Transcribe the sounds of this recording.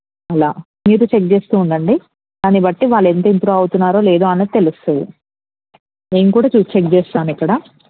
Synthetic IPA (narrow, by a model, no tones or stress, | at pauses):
ɐlaː | miːɾut͡ʃek̚t͡ʃe̞ːst̪uːɳɖɐɳɖi | d̪aːnibɐʈːiʋaːɭːent̪oint̪ɾuɐwut̪unːaːɾo̞ːle̞ːd̪oːɐnːɐt̪e̞lusu | ne̞ːmukuːɽaːt͡ʃuːst͡ʃek̚d͡ʒeːst̪unaːnikːɐɽaː